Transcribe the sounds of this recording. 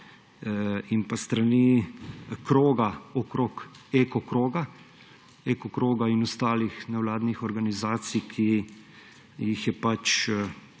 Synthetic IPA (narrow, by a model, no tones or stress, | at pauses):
impast̪ɾani | kɾoːɡaɔkɾokekɔkɾoːɡa | ekɔkɾoːɡainɔst̪aːlixnɛwlaːd̪nixɔɾɡanizaːt̪sikʰi | jixjɛpat͡ʃ